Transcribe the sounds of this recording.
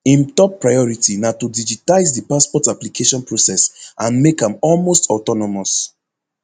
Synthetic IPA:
ĩmtɔpːɹajɔɹitʰinatudid͡ʒitaɪzdipaspɔtaplikʰeʃɔ̃npɹosɛsãnmekãmɔlmostɔtɔnɔmɔs

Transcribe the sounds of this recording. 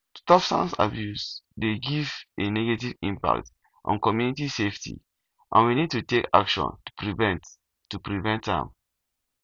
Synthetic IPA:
stɔfsã̰nsa̰bjusdeɡiveneɡetivĩmpa̰k̚t | ʔɔ̰̃nkɔmjunitiseftʰḭ | ʔã̰nwinid̚tutekakʃɔ̰̃ntu̥pɹivɛ̃nt | tːupɹivɛ̃ntdɛ̰̃m

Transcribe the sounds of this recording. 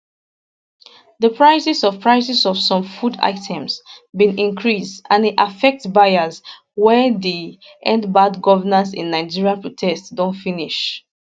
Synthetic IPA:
ðəpʰɹaɪsisɔv̥pʰɹaɪsisɔv̥sɔ̃mfuda̰ɪtʰɛ̃msbĩnĩŋkʰɹisdãneʔafɛk̚tbajaz | wɛði | ʔɛ̰̃ndbadɡɔvənasḭ̃nːaɪd͡ʒiɹiapʰɹotʰɛstdõntfiniʃ

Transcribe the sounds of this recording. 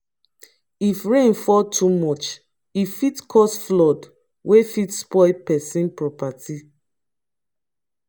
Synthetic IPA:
ifɹẽnfɔtʰumɔt͡ʃ | ifitkʰɔsflɔd | wʔefitspɔɪpɛsĩnpɹɔpati

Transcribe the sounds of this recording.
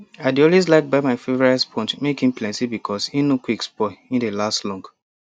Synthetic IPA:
aɪdiɔ̃lwes̬laɪk̚baɪmaɪfevɔɹaspʰɔ̃ntmekĩm̩plɛ̃ntibikʰɔsinokwikspɔĩndelastlɔ̃ŋɡ

